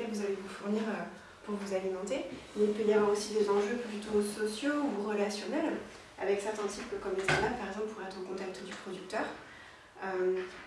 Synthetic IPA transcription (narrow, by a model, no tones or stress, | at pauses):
ɛvuzalevufuʁniʁø | puʁvuzalimɑ̃t̪emɛilpøjavwaʁosid̪ezɑ̃ʒøpyd̪yt̪osɔsjouʁəlasjɔnɛl | a̰vɛksɛʁt̪ɛ̃t̪ipkəkɔmlɛsad̪ampaʁɛɡzɑ̃plpuʁɛ̃ɛt̪χɑ̃kɔ̃t̪ak̚t̪əd̪ypχɔd̪yk̚t̪œːʁ | øm